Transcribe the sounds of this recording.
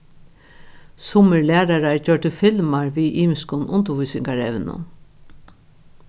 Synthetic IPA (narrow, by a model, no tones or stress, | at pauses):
sʊməɹlæːɾaɾaɹd͡ʒœɹʈ̪əfɪlmaɹʋiʔiːmɪskʊnʊnt̪ʊvujsɪŋkaɹɛ̰ʋɪnʊ̰n